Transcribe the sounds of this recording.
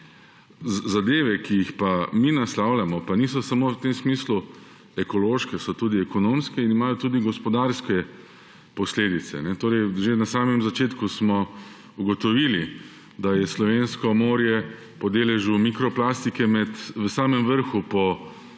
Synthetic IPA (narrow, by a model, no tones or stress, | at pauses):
zad̪eːʋɛkijixpaminaslawlʲjamɔpanis̬ɔsamowt̪emsmiːslu | ɛkɔloːʃkɛsɔt̪uːd̪iɛkɔnomskɛinimaːjɔt̪uːd̪iɡɔspɔd̪aɾskɛ | pɔsleːd̪it̪sɛ̰nɛt̪oːɾɛjʒenasaːmɛmzat͡ʃeːt̪kusmɔ | uɡɔt̪ɔʋili | d̪ajɛslɔʋeːnskɔmoːɾjɛ | pɔd̪eːlɛʒumikɾɔplaːst̪ikɛmɛt̪ʋəsaːmɛmʋəɾxupɔ